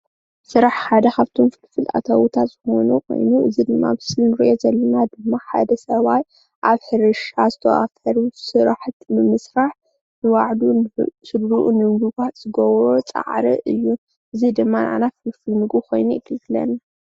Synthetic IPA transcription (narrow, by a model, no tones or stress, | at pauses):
sɨɾaħħad̪ɐxaβt̪ʰomfɨlfɨla̰t̪ʰawut̪ʰat̪zɨxo̞̰nukʰo̞̰jnuʔɨzid̪ɨmːa̰bɨsɨlnɨɾiʔo̞zɐlːɐnad̪ɨmːaħa̰d̪ɐsɐβaj | ʔaβħɨɾɨʃazɨt̪ʰɐ̰ʔa̰fɐɾusɨɾaħt̪mɨmɨsɾaħ | nɨwaʕd̪usɨd̪ɾuʔunɨmɡuɡat̪z̥ɨɡɐwɾo̞t͡sʼa̰ʕɾɨ̰ʔɨjːu | ʔɨzid̪ɨmːanʔa̰nafɨlfɨlmɨɡukʰo̞jnujɪkʰɨlɨklɐ̰n